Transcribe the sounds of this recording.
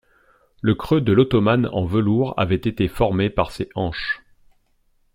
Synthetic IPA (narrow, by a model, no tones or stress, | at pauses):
ləkχød̪əlot̪ɔmanɑ̰̃vəluʁa̰vɛt̪et̪efɔʁmepaʁseʔɑ̃ʃ